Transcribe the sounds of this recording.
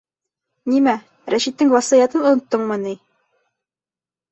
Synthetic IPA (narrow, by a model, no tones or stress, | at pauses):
nimæ | ɾæʃit̪ːɘŋɑsɑjɑt̪ɤnŏnŏt̪ːɤɴmɤni